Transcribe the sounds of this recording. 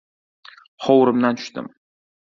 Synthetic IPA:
χɒwɾɪmd̪ant̪ʰʊ̥ʃt̪ɪ̰m

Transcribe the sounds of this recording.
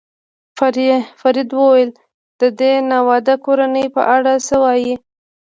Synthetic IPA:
faɾid̪wəwajəl | d̪̥əd̪enawɑd̪akoɾanəjpə̰ʔaɽasəwɑji

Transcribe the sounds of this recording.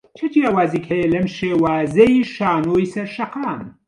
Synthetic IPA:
t͡ʃʰɐd͡ʒijaːwaːziːkhɐjɛlɐmʃeːwaːzɐiʃaːnoːjsɐɾʃɐqaːn

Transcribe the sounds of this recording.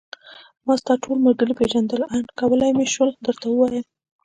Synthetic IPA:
mɑst̪ɑʈʰolməɾɡəɾipeʒand̪əlajnkɑwəlajmeʃwəld̪əɾt̪awəwɑjəm

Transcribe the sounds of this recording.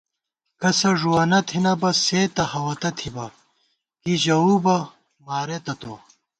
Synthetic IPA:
kɐsɐʐuwɐnɐt̪ʰinɐbɐseːt̪ɐhɐwɐt̪ɐt̪ʰibɐ | kiʑɐubɐ | maːɾet̪ɐt̪o

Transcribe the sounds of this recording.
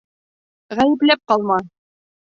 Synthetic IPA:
ʁæjɘ̆plæp̚qɑlˠmɑ

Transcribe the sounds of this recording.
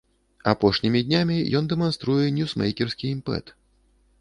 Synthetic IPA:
apɔʂnʲimʲid̪ʲnʲamʲijɔnd̪ɛmanst̪ɾujɛnʲjusmɛ̰jkʲɛrsʲkʲiimpɛ̰t̪

